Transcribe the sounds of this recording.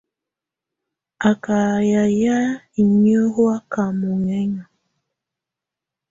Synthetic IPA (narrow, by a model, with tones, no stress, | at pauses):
a˨ka˨ja˨ja˦ | i˨ɲi˦o˦ho˦a˦ka˨mu˨ŋɛ˦ɲa˨